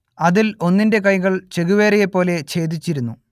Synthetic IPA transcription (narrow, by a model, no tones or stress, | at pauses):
ɐðilo̞nːinde̞kɐjɣɐɭt͡ɕe̞ɣuʋeːɾɐjepːo̞ːle̞t͡ɕe̞ːd̪it͡ɕːiɾunːu